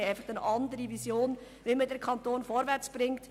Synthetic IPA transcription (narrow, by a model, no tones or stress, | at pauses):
ɛɪfɑχənʔɑndəɾivisjoːn | ʋelmədɛɾkʰɑntoːnfɔɾvɛɾt͡sb̥ɾɪŋt